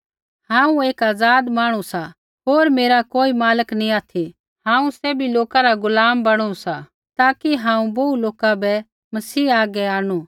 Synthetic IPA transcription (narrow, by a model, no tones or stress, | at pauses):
hãːũeːkaːd͡zaːd̪maːɽ̃usa | ɦoːɾmeːɾakoːimaːləknĩaːt̪ʰi | ɦãːũsɛːbʱiloːkaɾaɡʊlaːmbɐɽ̃usa | t̪aːkiɦãːũboːuloːkabɛ | mɐsiːaːɡɛaːɽ̃u